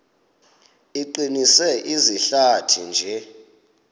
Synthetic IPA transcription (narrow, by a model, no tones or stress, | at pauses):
iǃinisɛʔiziɬatʰind͡ʒʱɛ